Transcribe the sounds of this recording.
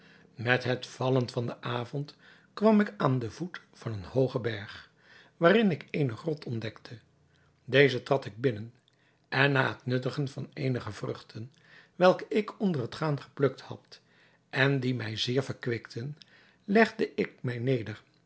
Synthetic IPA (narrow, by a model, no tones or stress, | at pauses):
mɛtɦətfɑlənfɑndəʔaːvɔnt | kʋɑmɪkaːndəvut | fɑnənhowχəbɛɹχ | ʋaːrɪnɪkejnəχrɔtʰɔndɛktʰə | dejzətrɑtɪɡ̚bɪnən | ʔɛnːa̰ːɦətnɵtəχənvɑnejnəχəvrɵχtʰən | ʋɛlˠkəʔɪkɔndərətχaːnχə̥plɵk̚thɑ̰t | ʔɛndimɛjzɪːɹvəɹkʋɪktʰən | lɛχdəʔɪk̚mɛjnejdəɹ